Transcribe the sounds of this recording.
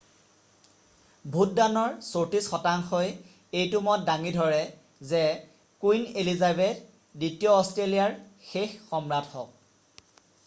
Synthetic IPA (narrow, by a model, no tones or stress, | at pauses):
bʱut̚danɔɹsotisxɔtaŋxɔj | ejtumɔt̚daŋidʱɔɹɛ | zɛ | kujnelizabed | ditijɔːstɹelijaɹxexːɔmɹathɔk̚